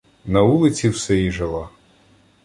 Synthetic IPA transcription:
nɐulˠɪt͡sʲiwsɛiʒɐlˠa

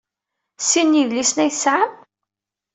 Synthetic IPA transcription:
sinːiðlisnæjəsʕam

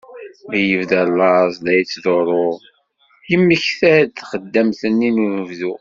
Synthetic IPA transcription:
jəvðælːɑzˤðæjt͡sːðoɾˤoðˤ | jəmːəçθæd̪θχəd̪ːæmθənːinunəvðu

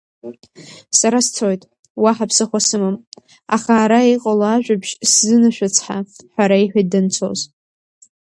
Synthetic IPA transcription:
saɾast͡sʰojtʼ | waħapʰsɨχʷasɨmɨm | a̰χaːɾaejqʼalaːʒᶣʷabʒ̥szɨnaʃᶣat͡sʰħaħʷaɾaiħʷᶣadant͡sʰo̞̰z

